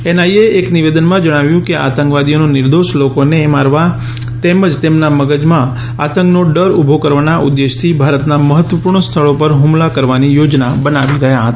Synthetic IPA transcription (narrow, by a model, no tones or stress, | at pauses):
enaieekniʋed̪ənmãd͡ʒəɽ̃aʋjũkeʔa̰t̪ə̃ŋkʋad̪iononɪɾd̪oʃlokonemaɾʋa | t̪eməd͡ʒt̪emnaməɡəd͡ʒmã | a̰t̪ə̃ŋknoɖəɾubʱokəɾʋanaʔud̪ːeʃt̪ʰibʱaɾət̪naməɦət̪ʋəpuɾɳst̪ʰəɭopəɾɦũmlakəɾʋanijod͡ʒnabənaʋiɾəɦjaɦət̪a